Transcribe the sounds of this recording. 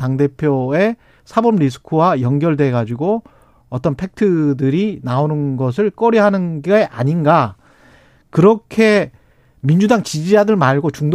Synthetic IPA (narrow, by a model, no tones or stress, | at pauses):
taŋde̞pʰjoe̞ | sʰabʌmɾis̬ʰɯ̥kʰuwajʌŋɡjʌɭdwe̞ɡad͡ʑiɡo | ʌt͈ʌnpʰe̞k̚tʰɯdɯɾinaonɯnɡʌs̬ʰɯɭk͈ʌɾiɦanɯnɡiɡaʔa̰ɲinɡa | kɯɾʌkʰe̞ | mind͡ʑudaŋt͡ɕid͡ʑid͡ʑadɯɭmaɭɡot͡ɕuŋd